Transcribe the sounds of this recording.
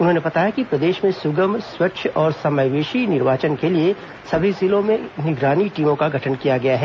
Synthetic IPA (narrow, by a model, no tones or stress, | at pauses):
ʊnɦõnebɐt̪aːjakipɾɐd̪eːʃmẽsʊɡəmswɐʃʰɔːɾsɐməjʋeːʃinɪɾʋaːt͡ʃənkelie | sɐbʱizɪlõmẽnɪɡɾaːniʈiːmõkaɡʱɐʈʰənkijaɡɐjaɦɛː